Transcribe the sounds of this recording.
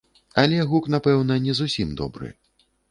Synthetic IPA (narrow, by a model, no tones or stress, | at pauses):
alʲɛɣukn̪apɛwnɐnʲɛzusʲimd̪ɔ̰bɾɨ̰